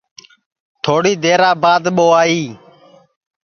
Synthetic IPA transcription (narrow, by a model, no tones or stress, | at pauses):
t̪ʰoːɽiːd̪eːɾaːbaːd̪ɓoːaːiː